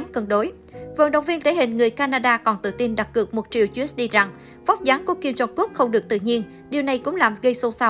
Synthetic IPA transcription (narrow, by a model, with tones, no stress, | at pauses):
nkə˧˩nɗo˨˦j | və̰˧˥˦nɗə̰˧˨wŋ͡mvi˧ənt̪ʰe˧˦hï˨ŋ̟ŋɨ˨˩əjkaː˧naː˧ɗaː˧kɔ˨˩nt̪ɨ̰˧˨t̪i˧nɗa˨˩k̚ːɨ˨˩ək̚mo˨˩t̚t͡ɕḭ˧˨əwt͡ɕs̚ɗi˧za˨˩ŋ | fɔ˦˥k͡p̚zaː˨˦nku˧˨˩əki˧mzɔ˧˩t̚ku˦˥k̚xə˧wŋ͡mɗɨ˨˩ək̚t̪ɨ̰˧˨ɲi˧ən | ɗi˨˩əwna˨˩jkʊ̰˧˥ŋ͡mlaː˨˩mɣə˧jso˧sa˧w